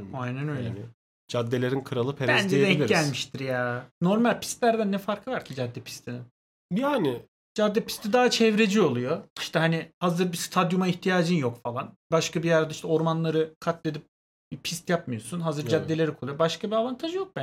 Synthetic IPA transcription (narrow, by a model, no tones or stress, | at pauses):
ajnænø̞jlʲɛ | d͡ʒad̪ːelʲeɾinkʰɯɾalˠɯpʰeɾaænd͡ʒid̪ɛilʲmiʃt̪ʰiɾjaːno̞ɾmalʲpʰi̥st̪lʲæɾd̪ænːɛfaɾkʰɯvaɾcʰid͡ʒad̪ːɛpʰi̥st̪ʰini | jaːnɪ | d͡ʒad̪ːɛpʰi̥st̪ʰid̪aːat͡ʃʰɛvɾed͡ʒio̞lˠujo̞i̥ʃt̪ʰɛɦanihazɯɾbist̪ʰad̪jumaiçt̪ʰijaːd͡ʒɯnjo̞kfalˠanbaʃkabijaɾd̪aiʃt̪ʰɛo̞ɾmanlˠaɾɯkʰat̪ʰlʲe̞d̪ip̚ | bipʰist̪jap̚mɯjo̞sunɦazɯɾd͡ʒad̪ːe̞lʲe̞ɾikʰolˠujobaʃkʰabiavant̪ʰaʒɯjo̞k̚bæ